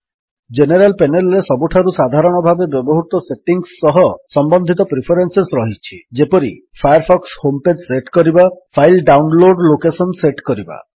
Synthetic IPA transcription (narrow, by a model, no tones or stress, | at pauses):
d͡ʒeneɾalpenelɾesɔbuʈʰaɾusad̪ʱaɾɔɽ̃ɔbʱabebjɔbɔɦut̪ɔseʈiŋɡsːɔɦɔsɔmbɔnd̪ʱit̪ɔpɾipʰeɾensesɾɔɦit͡ʃʰid͡ʒepɔɾi | pʰajaɾpʰɔkshomped͡ʒseʈkɔɾibapʰajlɖawnloɖlokesɔnseʈkɔɾiba̰